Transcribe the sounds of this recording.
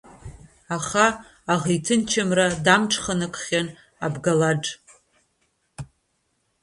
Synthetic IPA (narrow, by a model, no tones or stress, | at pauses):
aχaː | ʁejtʰɨnt͡ʃʰamradamʈ͡ʂʰχanɨkʷʰʼχʲan | a̰bɡalaʈ͡ʂʼ